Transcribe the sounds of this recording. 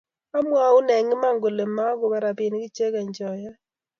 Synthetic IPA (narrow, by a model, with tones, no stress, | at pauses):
a˦mwa˨˦u˦nɛ˨ŋi˦ma˦˨ŋɡo˨le˨ma˦ko˨ba˨ɾa˨pi˨n˦ki˦t͡ʃe˦ka˨ɲd͡ʒɔ˨ja˦